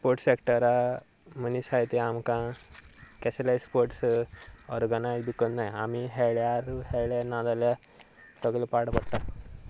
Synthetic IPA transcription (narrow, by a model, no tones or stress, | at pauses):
spoɾʈsekʈəɾa | məniɕajt̪eamkã | kɛsəlajspoɾʈs | ɔɾɡənajzbʱikənnajamiɦɛɭjaɾhɛɭjanãd̪alja | səɡɭepaɽpəɽt̪a